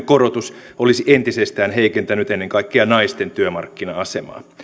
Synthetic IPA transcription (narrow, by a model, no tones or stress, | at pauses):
korot̪us | olisiʔent̪isest̪æːnɦeikent̪ænyt̪enːeŋkɑikːeɑnɑist̪ent̪yømɑ̰rkːinɑɑsemɑ̰ː